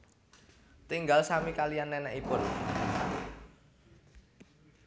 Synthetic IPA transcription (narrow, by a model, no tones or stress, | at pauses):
t̪iŋɡalsamikalijanːɛnɛʔipʊn